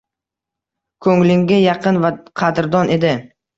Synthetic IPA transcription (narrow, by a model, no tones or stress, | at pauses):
kʰɵŋlɪŋɡʲajɑqɨnvaqʰɑd̪ɾd̪ɒnʔe̞d̪ɪ